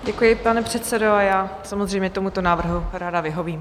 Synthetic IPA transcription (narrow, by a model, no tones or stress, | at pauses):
ɟɛkujɪpanɛpr̝̥ɛt̪sɛdoajaːsamozr̝ɛjmɲɛt̪o̞mut̪o̞naːvr̩ɦuɾaːdavɪɦo̞viːm